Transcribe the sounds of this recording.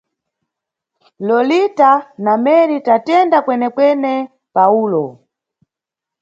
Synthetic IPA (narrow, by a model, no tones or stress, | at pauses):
lɔlitanamɛɾitatɛndakwɛnɛkwɛnɛ | pauːlɔ